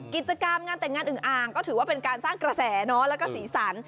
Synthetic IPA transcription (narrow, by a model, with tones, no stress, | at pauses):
ki˨˩t̪̚t͡ɕa˧ka˧mŋaː˧nt̪ɛ˨˩ŋːaː˧nʔɯː˨˩ʔaː˨˩ŋkɔː˥˩ɯː˩˦waː˥˩pe˧nkaː˧nsaː˥˩ŋkɾa˧sɛː˩˦nɔ˦˥lɛː˦˥wkɔː˥˩siː˩˦sa˩˦n